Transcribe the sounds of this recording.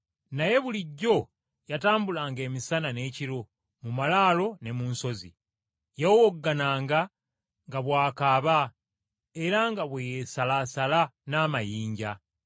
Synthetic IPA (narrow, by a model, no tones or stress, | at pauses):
naje̞βuliɟːo̞ | jataːmbulaːŋɡe̞ːmisanane̞ːciɾo̞ | mumalaːlo̞ne̞munso̞zḭ | jawowoɡːanaːŋɡa | ŋɡaβwaːkaːβa | e̞ɾaŋɡaβwejesalasalanaːmajiːɲɟa